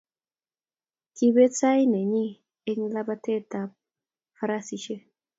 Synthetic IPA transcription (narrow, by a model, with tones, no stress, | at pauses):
ki˦be˦sa˦jne˨ɲi˦ | e˦ŋla˦ba˦t̪e˦t̪a˦p̚ | fa˦ɾa˦si˨ʃe˦